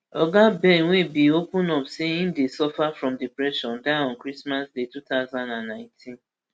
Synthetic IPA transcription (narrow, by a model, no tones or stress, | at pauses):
ɔɡabɛ̃nwẽbiopũnɔpseĩndesɔfafɹɔ̃mdipɹɛʃɔ̃ndaɔ̃nkɾismasdetutaʊzãndãnːãɪ̃tʰĩn